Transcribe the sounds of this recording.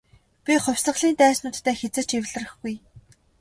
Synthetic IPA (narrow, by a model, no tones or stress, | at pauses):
pʲiχʊwʲsə̆χɮiːnt̪æːsnʊːt̪ʰːæːxet͡sɘ̆t͡ɕiwɮɘ̆rɘ̆xɡuj